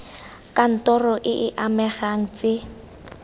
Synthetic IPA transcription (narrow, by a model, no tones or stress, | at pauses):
kʼan̩tɔrɔʔɪʔɪʔamɛχaŋ̩t͡se